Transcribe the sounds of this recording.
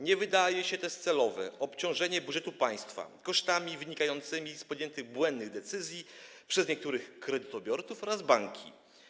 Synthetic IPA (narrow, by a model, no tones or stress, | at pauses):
ɲɛvɘd̪ajɛɕɛt̪ɛst̪sɛlɔvɛ̰ɔpt͡ɕɔ̃w̃ʐɛɲɛbudʐɛt̪upaj̃st̪fa̰kɔʂt̪amʲivɘɲikajɔnt̪sɘmʲispɔd̪ʲjɛnt̪ɘɣbwɛnd̪nɘɣd̪ɛt̪sɘzʲji | pʂɛzɲɛk̚t̪uɾɘxkɾɛd̪ɘt̪ɔbʲjɔɾt̪sufɔɾazbaŋkʲʰḭ